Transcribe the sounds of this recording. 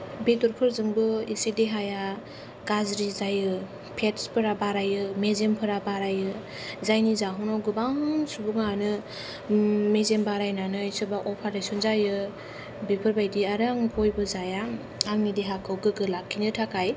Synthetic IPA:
betɔɾpʰɯɾzɯŋbɯisedeɦaja | ɡazɾizajɯ | pʰetspʰɯɾabaɾajɯmezempʰɯɾabaɾajɯ | zajnizaɦɔnawɡɯbaŋsubuŋanɯ | mezembaɾajnanɯjsɯbaʔɔpʰaɾdajsɔnzajɯ | bipʰɯɾbajdiaɾaŋpʰojbɯzaja | aŋnideɦakʰɯwɡɯɡɯlakʰːinɯtʰakʰaj

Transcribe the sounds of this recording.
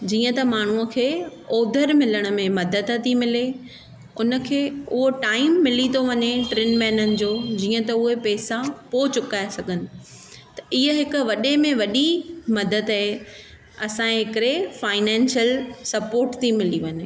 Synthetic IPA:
d͡ʑiːə̃t̪ɐmaːɳ̤uə̆kʰeːoːd̪ʱəɾmɪləɽ̃ʊ̆mẽmɐd̪əd̪t̪ʰimɪle | ʊnə̆kʰeːʊɦoʈaːɪmːɪlit̪ʰoʋɐɲeʈɾenmɛ̃ːnənɪ̆d͡ʑoːd͡ʑiːə̃t̪ɐʊɦepɛːsapoːt͡ɕʊkaːesɐɡʱənɪ̆ | t̪ɐʔiɦəɦɪkʊ̆ʋɐɗemẽʋɐɗimɐd̪əd̪aɦe | ɐsãẽɦɪkɪɾefaːɪnɛ̃ːnsjəlsɐpoːɾʈt̪ʰimɪliʋɐɲe

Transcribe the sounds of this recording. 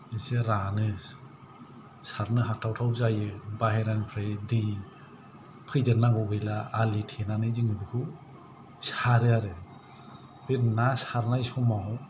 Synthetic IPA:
eseɾanɯ | saɾnɯɦatʰawtʰawzajɯbaɦeɾanpʰɾajdɯj | pʰɯjdeɾnaɡɔbɯjlaalitʰenanɯjziŋɯbɯkʰɯ | saɾɯaɾɯ | b̥etnasaɾnajsɔmaw

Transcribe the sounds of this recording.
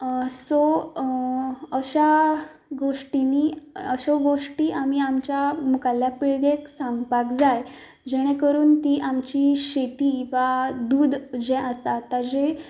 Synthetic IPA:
so | əɕa | ɡoʂʈiniːəɕoɡoʂʈiːʔam̤iːamt͡ɕjamukalːjapiɭɡeksãŋɡpakd͡zaj | d͡ʑɛɽ̃ẽkəɾuːnt̪iːʔamt͡ɕiːɕet̪iːʋad̪uːd̪d͡ʑɛ̃ʔəst̪at̪ad͡ʑe

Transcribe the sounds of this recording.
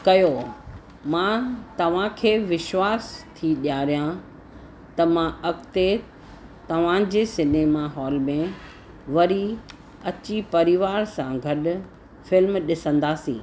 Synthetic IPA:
kɐjo | mãt̪ɐʋ̤ãkʰeːʋɪʃwaːst̪ʰiɗjaːɾijã | t̪ɐmãʔɐkt̪e | t̪ɐʋ̤ãd͡ʑeːsɪneːmaɦɔːlmẽ | ʋɐɾi | ɐt͡ɕipɐɾɪʋaːɾsãɡʱɐɗʊ̆ | fɪlmɗɪsə̃nd̪aːsḭ̃ː

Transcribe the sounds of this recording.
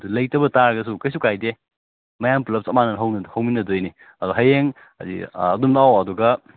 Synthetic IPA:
ɐdulɐjtɐbɐtaɾɐɡɐs̬ukɐjsukajde | mɐjampulɐp̚sɐmanɐɦɐwnhɐwminɐdojni | ɐduɦɐjeŋ | adḭɐdumdaawaduɡɐ

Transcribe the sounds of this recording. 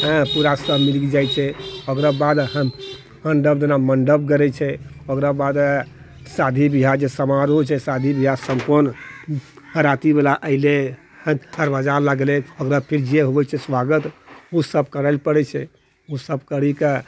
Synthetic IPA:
ə̃puɾasəmiɾɡid͡ʒajt͡ʃʰɛokɾabad̪ɦəm | məɳɖəbd̪enaməɳɖəb̚ɡəɾɛt͡ʃʰɛokɾabad̪ | sad̪ʱibiɦad͡ʒesəmaɾɦot͡ʃʰɛsad̪ʱibiɦasəmpəɾn | həɾat̪ibelaʔəɪle | hə̃d̪əɾbad͡ʒaɾlaɡlekokɾapʰiɾd͡ʒeɦobɛt͡ʃʰɛsʋaɡət̪usəb̚ʱkəɾəɪlpəɽɛt͡ʃʰɛ | usəb̚kəɾike

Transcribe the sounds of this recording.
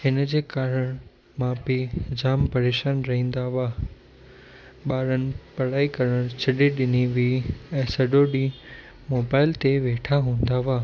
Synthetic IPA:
hɪnəd͡ʑeːkaːɾəɽ̃ | maːpid͡ʑaːmpɐɾeːʃaːnɾɐɦĩːn̆d̪aʋaː | ɓaːɾənɪ̆pɐɽaːikɐɾəɽ̃t͡ɕʰɐɗiɗɪniʋiːɛ̃ːsɐɖoɗi | moːbaːɪlt̪eʋeːʈʰaɦũːn̆d̪aʋaː

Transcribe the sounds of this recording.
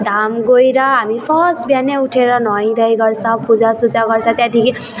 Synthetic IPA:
d̪ʱamɡojɾʌɦamipʰʌsbjanjeuʈʰeɾʌnʌĩd̪ʌjɡʌɾsʰʌ̃pud͡zasut͡saɡʌɾt͡sʰʌ̃t̪jãt̪ʰiki

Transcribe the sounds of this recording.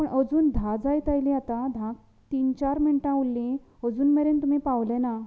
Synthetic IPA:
pəɳʔəd͡zuːnd̪ʱãd͡zajt̪ajlĩat̪ad̪ʱãk̚ | t̪int͡ɕaɾmiɳʈãulːĩ | əd͡zuːnmeɾent̪um̤ipaʋlɛ̃na

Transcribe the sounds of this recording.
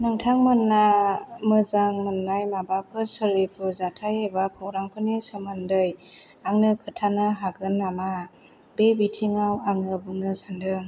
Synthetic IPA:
nɯŋtʰaŋmɯnːamɯzaŋmɯnːajmabapʰɯsɯlipʰɯzatʰajebakʰɯwɾaŋpʰɯnisɯmɯndɯj | aŋnɯkʰɯtʰanɯɦaɡɯnːama | bebitʰiŋawaŋnɯbuŋnɯsandɯŋ

